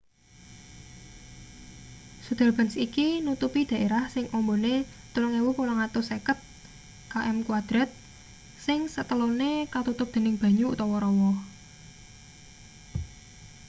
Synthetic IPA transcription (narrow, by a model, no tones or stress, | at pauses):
sud̪̥a̤lb̥a̤nsikinut̪upid̪̥ä̤ʔeɾahsɪŋʔɔmbone | t̪ulʊŋewʊhkolɔŋat̪ʊsekət̪̚ | kaʔɛmkuwad̪̥ɾat̪̚ | sɪŋsət̪əlonekat̪ut̪ʊp̚d̪̥e̤nɪŋb̥ä̤ɲuːt̪ɔwɔɾɔwɔ